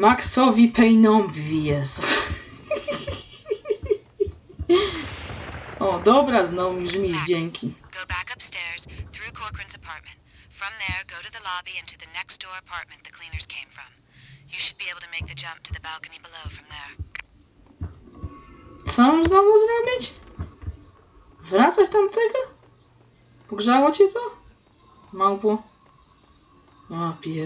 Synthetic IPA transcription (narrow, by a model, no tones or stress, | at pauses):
maksɔvipʰeɪnɔ̃mviviɛs | od̪obəɾaznomzɨmizd͡ʒɛ̃ŋkʰiɡ̥oʊbækʌpstɛɹz̥θɹʉkʰɔɹkʰɹɨ̃nzɨpʰɑɹt̚mɨ̃ntfɹʌ̃mðə˞ɡoʊɾɨðəlɑbiɪ̃ntʰʉðɨnɛksd̥ɔɹɨpʰɑɹt̚mɨ̃nðɨkʰl̥ĩnə˞z̥kʰẽɪ̃ɱfɹʌ̃m | jɨʃɨd̚bieɪbl̩ˠtʰɨmeɪk̚ðɨd͡ʒʌ̃mp̚tʰɨðɨbælˠkɨnibəloʊfɹʌ̃mðə˞ | sãmãznawɔzə̃namɪd͡ʒ | vəɾasast̪ãntt̪ʰeɪkə | b̥əkʌzawɔt͡ʃit̪ə | mãŋpɔ | apʰi